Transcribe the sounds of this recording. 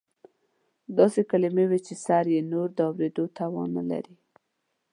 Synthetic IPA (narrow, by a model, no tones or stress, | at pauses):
d̪ɑsekalimewet͡ʃesɑɾjenoɾd̪əawɾed̪ot̪awɑ̰nə̰la̰ɾi